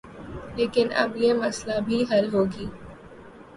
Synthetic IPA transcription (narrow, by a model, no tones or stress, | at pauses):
leːkɪnɐ̰bjemɐslabʱiɦɐlɦoːɡiː